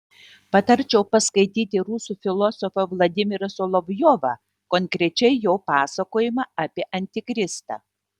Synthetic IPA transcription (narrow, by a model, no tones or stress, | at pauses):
pɐt̪ɐɾʲt͡ʃʲɛʊpɐskɐɪt̪ʲiːt̪ʲɪɾuːsuːfʲɪlˠɔsɔfɐʋlˠɐd̪ʲɪmʲɪɾɐsolˠɔʋʲjoʋɐ | kɔŋʲkɾʲɛt͡ʃʲɛɪjoːpɑːsɐkoːjɪmɑɐpʲiɛʔɐnʲt̪ʲɪkɾʲɪst̪ɐ̰ː